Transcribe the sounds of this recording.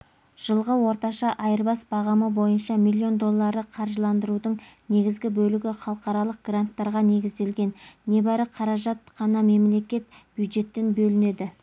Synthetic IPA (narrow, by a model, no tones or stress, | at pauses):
ʒ̥əlˠʁəwo̞ɾt̪ɑʃɑʔɑjəɾbɑsbɑʁɑməbo̞jənʃɑmilʲːio̞nd̪o̞lˠːɑɾəqʰɑɾʒəlˠɑnd̪əɾud̪əɴne̞ɡʲɪzɡʲɪbɵlɪɡʲɪχɑlˠəqɑɾɑlˠəq̚ɡ̥rant̪ːɑɾʁɑne̞ɡʲɪzd̪e̞lɡʲe̞nːe̞bæɾəqʰɑɾɑʒɑt̪̚qʰɑnɑme̞mle̞kʲe̞t̪b̥jud̪ʒe̞t̪ːenbɵlɪne̞d̪ɪ